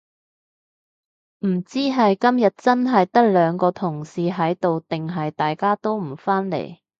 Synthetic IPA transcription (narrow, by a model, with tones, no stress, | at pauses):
m̩˨˩t͡siː˥ɦɐ˨jkɐ˥mjɐ˨t̚t͡sɐ˥nɦɐ˨jt̪ɐ˥k̚lœː˨˧ŋkɔː˧t̪ʰʊ˨˩ŋsiː˨ɦɐ˨˥jt̪o˨wt̪ɪ˨ŋɦɐ˨jt̪aː˨jkaː˥t̪o˥wm̩˨˩faː˥nlḛ˨˩j